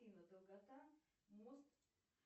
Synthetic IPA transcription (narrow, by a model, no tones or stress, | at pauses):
inad̪əlˠɡat̪a | most̪